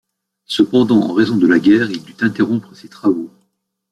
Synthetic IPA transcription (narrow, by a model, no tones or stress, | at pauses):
səpɑ̃d̪ɑ̃ʔɑ̰̃ʁezɔ̃d̪əlaɡʲɛːʁild̪yt̪ɛ̃t̪eʁɔ̃pχəset̪χavo